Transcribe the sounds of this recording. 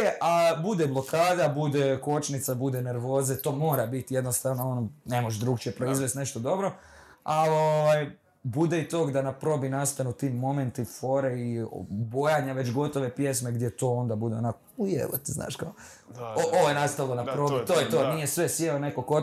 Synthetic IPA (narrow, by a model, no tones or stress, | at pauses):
eʔabud̪eblˠo̞kaːd̪abud̪eko̞t͡ʃnit̪sabud̪ene̞ɾʋo̞ːzet̪o̞ːmo̞ːɾabit̪ijed̪nost̪aʋnoonone̞moʒd̪ɾuɡt͡ʃepɾo̞izʋest̪ne̞ʃt̪o̞d̪o̞bɾo̞ | aoʋaj | bud̪eit̪o̞ːɡd̪anapɾo̞binast̪anut̪iːmːo̞me̞nt̪ifo̞ːɾeibo̞jaɲaʋe̞t͡ʃɡo̞t̪o̞ʋe̞pje̞smeɡd̪jet̪o̞ːo̞nd̪abud̪eonakoujḛʋot̪zna̰ːʃkao | oʔoojenast̪aʋilˠonapɾobit̪oːjet̪oːnijesʋesjeone̞koko